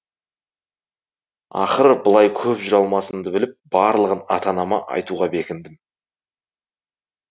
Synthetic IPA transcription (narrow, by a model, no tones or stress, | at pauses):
ɑ̰χəɾəbʊlˠɑjkʲʰɵpʒʏɾɑlˠmɑsəmd̪əbɪlɪp̚b̥ɑɾlˠəʁənɑt̪ɑnɑmɑʔɑ̰jt̪uʁɑbe̞kʲɪnd̪ɪm